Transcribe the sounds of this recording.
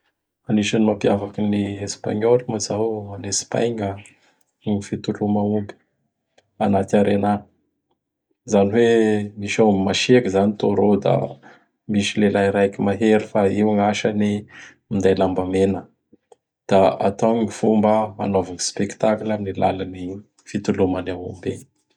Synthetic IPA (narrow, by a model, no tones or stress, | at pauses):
aniʃanimapjavakiniespa̰ɲolimazawanespa̰jŋə | ŋifit̪ulumaumbi̥ | anat̪aɾena | zaniwemiʃammaʃekizanit̪oɾod̪a̰ | miʃilelajɾajkimaɦeɾifaiŋaʃani | mind̪ajlambamenə | d̪̥aa̰t̪awɲifumbəa̰novaŋispeki̥t̪aklaminila̰lani | fit̪ulumanawṵmbe